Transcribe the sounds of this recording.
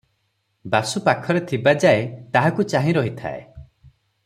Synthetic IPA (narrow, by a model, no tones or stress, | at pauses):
basupakʰɔɾet̪ʰibad͡ʒaet̪aɦakut͡ʃaɦĩɾɔɦit̪ʰa̰ḛ